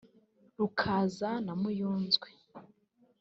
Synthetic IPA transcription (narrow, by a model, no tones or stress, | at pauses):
ɾukʰazanamujuːnzɡwe